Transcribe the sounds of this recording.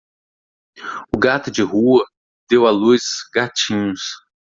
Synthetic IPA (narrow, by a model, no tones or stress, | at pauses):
ʊɡat̪ʊd͡ʒɪɦuɐ | d̪ewaluzzɡat͡ʃĩɲʊs